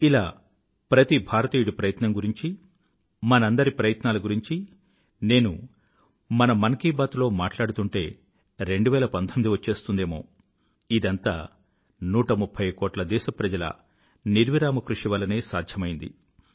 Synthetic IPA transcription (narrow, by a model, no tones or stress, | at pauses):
ilaː | pɾɐt̪ibʱaːɾɐt̪iːjuɽupɾɐjɐt̪nɐŋɡuɾiɲt͡ʃi | mɐnɐɐnd̪ɐɾipɾɐjɐt̪naːlɐɡuɾiɲt͡ʃi | ne̞ːnu | mɐnɐmɐnɐkiːbaːt̪ulo̞ːmaːʈlaːɽut̪uɳʈe̞ː | ɾe̞ɳɖuʋɛːlɐpɐnt̪ʰomid̪iʋɐt͡ʃːe̞ːst̪und̪e̞ːmo̞̰ː | id̪ɐnt̪a̰ː | nuːʈɐmupʰːɐjkoːʈlɐd̪ɛːʃɐpɾɐd͡ʒɐlɐ̰ | niɾʋiɾaːmɐkɾuʂiʋɐlɐne̞ːsaːd̪ʱjɐmɐjind̪ḭ